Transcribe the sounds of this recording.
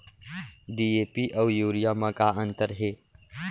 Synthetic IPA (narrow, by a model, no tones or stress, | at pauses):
ɖiepiʔəwjuːɾijaməkaənt̪əɾɦe